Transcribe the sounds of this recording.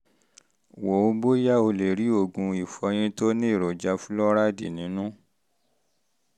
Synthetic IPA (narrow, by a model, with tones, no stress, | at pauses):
wo˨o˧bo˦ja˦o˧le˨ɾi˨˦o˦˨ɡũ˧i˨fɔ˧j̃ĩ˧to˦nĩ˦i˦˨ɾo˨d͡ʒa˧fũ˦lɔ˦ɾa˦dḭ˨nĩ˨˦nũ˦